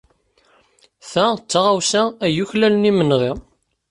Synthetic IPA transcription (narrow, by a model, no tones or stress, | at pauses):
θæt͡sːaʁawsææjuçlælənimənʁiʁ